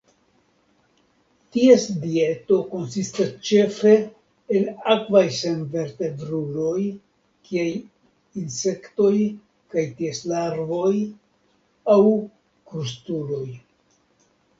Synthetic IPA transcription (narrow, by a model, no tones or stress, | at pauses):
tie̞sdie̞to̞ko̞nsistast͡ʃe̞fɾe̞ː | lakvajsemve̞ɾte̞bɾulo̞j | kʰiaj | inse̞kto̞j | kajtieslaɾvo̞j | aw | kɾustulo̞j